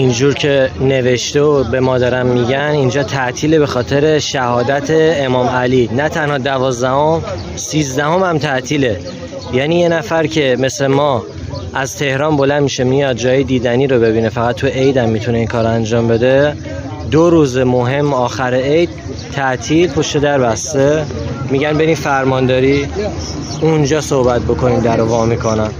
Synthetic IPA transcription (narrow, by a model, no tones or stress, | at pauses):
ind͡ʒuːɾcʰe̞ne̞ve̞ʃt̪eobe̞mɒːd̪ɒɾæmːiɟænind͡ʒɒːt̪ʰæʔt̪ʰiːle̞be̞xɒːt̪ʰe̞ɾe̞ʃæhɒːd̪æt̪ʰe̞ːmɒːmælinæt̪ʰænhɒːd̪ævɒːzd̪æho̞m | siːzd̪æho̞mhæmt̪ʰæʔt̪ʰiːle̞ | jæːniːje̞næfæɾcʰe̞me̞slemɒː | ʔæzt̪ʰe̞hɾɒːnbo̞lænd̪miʃemijɒd̪̚d͡ʒɒːjed̪iːd̪æniːɾo̞be̞βiːnefæɣæt̪ʰːueʔejd̪æmːit̪ʰune̞inkʰɒːɾoænd͡ʒɒːmbe̞d̪e̞ | d̪oɾuːzemoɦe̞mːɒːxæɾeejd̪̥̚ | t̪ʰːæʔt̪ʰiːlpʰo̞ʃt̪e̞d̪æɾbæst̪e̞ | miɟænbe̞ɾinfæɾmɒnd̪ɒːɾi | und͡ʒɒːso̞hbæt̪̚bo̞kʰo̞niːmd̪æɾovɒːmikʰo̞næm